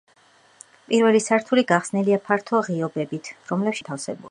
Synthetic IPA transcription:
pʼiɾvɛlisaɾt̪ʰuliɡaχsnɛliapʰaɾt̪ʰɔʁiɔbɛbit̪ʰɾɔmlɛpʃit̪ʰafsɛ̰bṵli

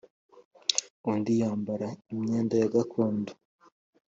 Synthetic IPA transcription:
ondijaːmbaɾaimɲeːndajaɡakʰoːndo̥

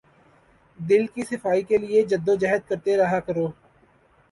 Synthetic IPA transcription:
d̪ɪlkisɪfaːikelɪed͡ʒəd̪ːod͡ʒaɦəd̪̚kəɾt̪eɾɐɦakəɾoː

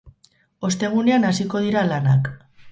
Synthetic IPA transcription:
o̞st̪e̞ɣune̞anasiko̞ð̞iɾalanak

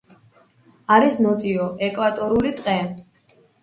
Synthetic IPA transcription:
aɾisnɔt̪ʼiɔʔɛkʼvat̪ʼɔɾulit̪ʼqʼɛ

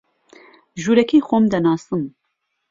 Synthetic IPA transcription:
ʒuːɾɛkiːxʷomd̪ɐnɑːsɨm

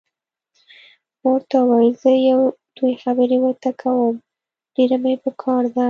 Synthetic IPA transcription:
moɾt̪awajzəjawd̪̥ujxabəɾewət̪akʰawəm | ɖ̥eɾamepəkʰɑɾd̪a

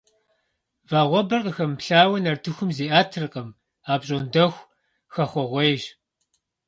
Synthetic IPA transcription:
vaːʁʷɔbɐrqəxɐmpɬaːwɐnɐrtʰɨxʷʊmzeːʔaːtʰɨrɨqɐm | aːpɕʼondɐxʷ | xɐχʷɔʁʷɔjʒ

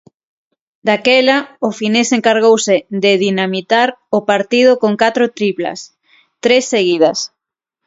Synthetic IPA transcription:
d̪akɛlaʊfineseŋkaɾɣowsɪd̪eðinamit̪aɾʊpaɾt̪ið̞ʊkoŋkat̪ɾʊt̪ɾipla̰s | t̪ɾesːeɣiðɐs

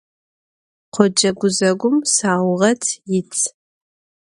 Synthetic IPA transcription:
qʷʰɔd͡ʒɐɡʷʊzɐɡʷʊmsaːwʁɐtʰjɪt͡sʰʼ

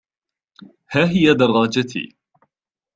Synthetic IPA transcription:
haːɦɪjad̪ɑrˤːɑːd͡ʒat̪ʰḭː

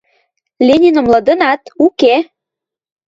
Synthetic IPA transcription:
lʲenʲinə̆mlɤ̆d̪ə̆nɑt̪uke

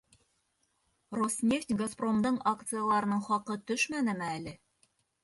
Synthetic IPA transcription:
rosnʲeftʲɡaspro̞md̪ɤɴakt̪sɨjalˠɑɾɤ̆nɤɴχɒqɤt̪ɵʃmænɘ̆mɘælɘ

